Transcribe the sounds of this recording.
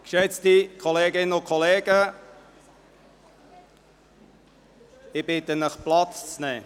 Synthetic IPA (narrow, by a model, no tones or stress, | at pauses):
kʃɛt͡stikʰɔleːɡɪnəʊkʰɔleːɡ̥ə | ɪb̥ɪtənəχplɑtt͡st͡snɛː